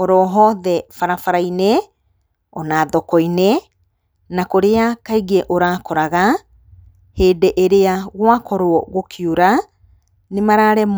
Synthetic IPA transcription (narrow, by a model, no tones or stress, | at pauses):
ɔɾɔɦɔðɛfaɾafaɾajnɛ | ɔnaðɔkɔjnɛ | nakoɾeakaiɣɛʔoɾaːkɔɾaɣa | heːdɛʔeɾeaɣwakɔɾwɔɣokʰiuɾa | nemaɾaɾɛm